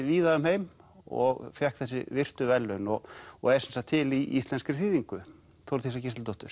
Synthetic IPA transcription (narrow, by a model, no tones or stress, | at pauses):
viːðaʏmɦeːjmɔ̰ɣfjɛhkθɛsːɪvɪr̥t̪ʏvɛlːʏnɔɣɔ̰ɣɛɾsɛnsat̪ʰɪliist̪lɛnskɾɪθiːðiŋkʏ | θowɾt̪ʰisacɪst̪lt̪ɔht̪ʏɾ̥